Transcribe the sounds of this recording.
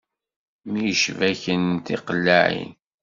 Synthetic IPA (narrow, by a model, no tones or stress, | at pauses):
mijəʃvæçənt̪iqəlːaʕḭn